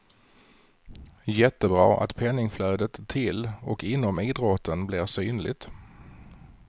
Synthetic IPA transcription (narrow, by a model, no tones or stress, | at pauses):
jɛt̪ːəbɾɑ̰ːʔa̰t̪pʰɛnːɪŋflœːd̪ət̪ʰːɪlɔkɪnːɔmiːd̪ɾɔt̪ʰːənblɪɾsyːnlɪɡ̚t̪